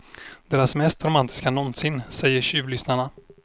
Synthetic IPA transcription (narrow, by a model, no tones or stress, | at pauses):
d̪̥eːɾasmɛst̪ɾʊmant̪ʰɪ̥skanɔnsɪnsɛjːəɾɕyːvlʏsnaɳa